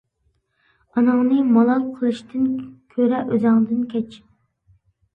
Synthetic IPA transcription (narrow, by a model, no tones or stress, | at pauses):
ɑnɑŋnɨmɑlˠɑnqʰəlˠɨʃt̪ʰɨnkʲʰøɾɛʔøzɑŋd̪ɨnkʲʰɛt͡ʃ